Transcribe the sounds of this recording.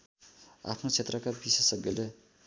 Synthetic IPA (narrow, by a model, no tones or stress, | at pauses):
a̰pʰnot͡sʰet̪rʌkabisʌsʌɡjʌle